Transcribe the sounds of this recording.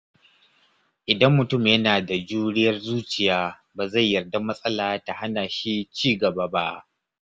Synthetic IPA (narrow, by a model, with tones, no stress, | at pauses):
ʔɪ˨dɐ˦mːʊ˨tʊ˦˨mjɐ˦naː˨da˨d͡ʒuː˦ɽɪ˦jɐ˦rzuː˦t͡ʃɪ˨jaː˦ | baː˨za˦˨jːɐ˨rda˦mɐ˦sʼɐ˦laː˨ta˨ha˦naː˨ʃi˦t͡ʃiː˦ɡɐ˨ba˦ba˦ʔ